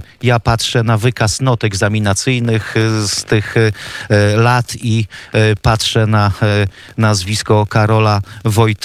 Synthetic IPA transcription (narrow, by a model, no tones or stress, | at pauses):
japatʂɛnavɘkasnɔt̪ɛɡzamʲinat̪sɘjnɘxst̪ɘx | lat̪ipatʂɛna | nazvʲiskɔkaɾɔlavɔjt̪